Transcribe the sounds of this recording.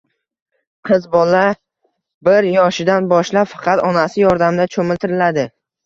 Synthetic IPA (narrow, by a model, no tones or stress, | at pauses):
qʰɨzbɒlːa | bɪɾjɒʃɪd̪anbɒʃlapfɑ̥qʰɑt̪ɒnasɪjɒɾd̪amd̪at͡ʃʰomɪlt̪ʰɪɾɪlad̪ɪ